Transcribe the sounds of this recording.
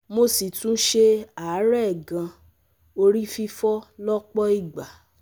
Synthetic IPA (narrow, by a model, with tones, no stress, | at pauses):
mo˧si˨tũ˦ʃe˦a˨˦ɾɛ˦˨ɡã˧ | o˧ɾi˦fi˧fɔ˦lɔ˦k͡pɔ˦i˦˨ɡ͡ba˨